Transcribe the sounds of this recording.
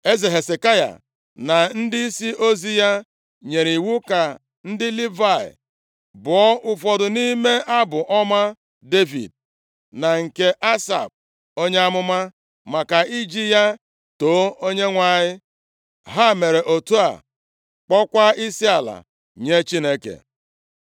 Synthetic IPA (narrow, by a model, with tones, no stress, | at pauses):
e˦ze˨ɦe˨se˨ka˦ja̰˨ | na˨n̩˦dɪ˦i˦si˦ʔo˦zi˦ja˦ | ɲe˨ɾi˨wu˦ka˨ | n̩˦dɪ˦li˦va˦˨ɪ̰˨ | bʊ˨ɔ˦ʔʊ˦fɔ˨dʊ˨ni˦me˦ʔa˦bʊ˨ʔɔ˦ma˦ | de˦vḭ˨d̚ | na˨ŋ̩˨ke˦ʔa˦sa̰˨b̚ | o˦ɲe˦a˦mʊ˦ma˦ | ma˨ka˨i˦d͡ʒi˦ja˦ | to˨˦o˦ɲe˦ŋʷa˨ɲɪ˦ | ɦa˦˨me˨ɾe˨ʔo˨tu˦a̰˨ | k͡pɔ˦kʷa˦i˦si˦a˨la̰˨ | ɲe˦t͡ʃi˦ne˦kḛ˨